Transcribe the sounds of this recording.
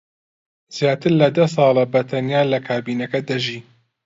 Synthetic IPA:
z̥jaːt̪ʰɨɾlɐd̪ɐs̬ɑːlɐbɐt̪ʰɐnjaːlɐkʰaːbiːnɐkɐd̪ɐʒiː

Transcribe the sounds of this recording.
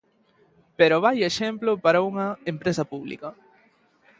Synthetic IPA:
peɾoβajeʃemplopaɾɐuŋɐempɾesɐpuβlḭkɐ

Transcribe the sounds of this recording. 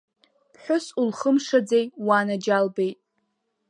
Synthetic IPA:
pʰħʷᶣʊsulχəmʂad͡zejwanad͡ʒalbejtʼ

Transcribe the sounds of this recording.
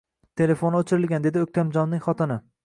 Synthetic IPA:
t̪ʰe̞le̞fonot͡ʃʰɪɾɪlɡʲand̪ed̪ɪok̚ʲt̪ʰamd͡ʒɒnːɪŋχɒt̪ɪnɪ

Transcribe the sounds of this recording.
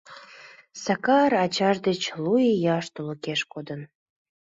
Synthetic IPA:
sɑkɑɾɑt͡ɕɑʒd̪et͡ɕlujejɑʃt̪olokeʃkod̪ən

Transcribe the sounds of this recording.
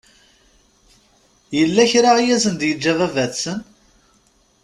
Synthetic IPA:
jəlːæçɾaʁijæzənd̪jəd͡ʒːævævæθsən

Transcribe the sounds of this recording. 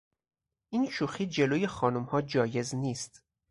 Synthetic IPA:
ʔiːnʃuːxiːd͡ʒe̞loːje̞xɒːnumhɒːd͡ʒɒːje̞zniːst̪

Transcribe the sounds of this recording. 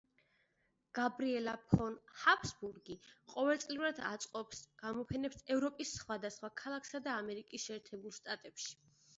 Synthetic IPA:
ɡ̥abɾiɛlapʰɔnhapʰsbuɾɡiqʼɔvɛlˠt̪sʼlivɾad̪a̰t̪sʼqʼɔpsɡ̥amɔpʰɛnɛpsɛvɾɔpʼisːχwad̪asχwakʰalˠakʰsad̪aːmɛɾikʼisʃɛːɾt̪ʰɛbulˠʃt̪ʼat̪ʼɛpʃi̥

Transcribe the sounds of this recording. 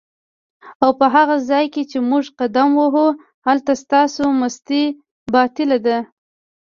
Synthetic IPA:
awpəɦaɣazɑjket͡ʃemuʐqad̪amwəɦu | halt̪ast̪ɑsoməst̪i | bɑt̪ɪlad̪a

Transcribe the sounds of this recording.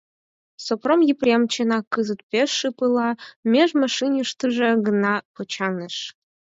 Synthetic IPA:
sopromjiprʲemt͡ɕĕnɑkɯzɨt̪̚pʲeʃːɨpɯlˠɑmʲeʒmɑʃinjuʃt̪ɨʒeɡənɑpot͡ɕɑnəʃ

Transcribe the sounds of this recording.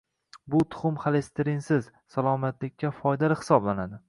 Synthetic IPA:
bʊt̪ʰʊ̥χʊmχalest̪ɪɾɪnsɪz | salˠɒmat̪lɪkʲːafɒjd̪alɪhɪ̥sɒblanad̪ɪ

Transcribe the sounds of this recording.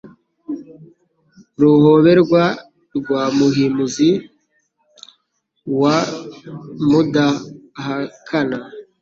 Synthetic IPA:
ɾuho̞βe̞ɾɡwa | ɾɡwaːmuɦimuzi | wa | mudahakʰana

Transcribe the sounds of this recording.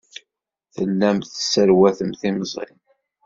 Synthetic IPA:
θəlːæmθəsːəɾwæθəmθiməzˤɪ̰m

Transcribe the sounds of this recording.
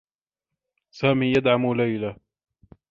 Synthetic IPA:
saːmiːjad̪ʕamlajla

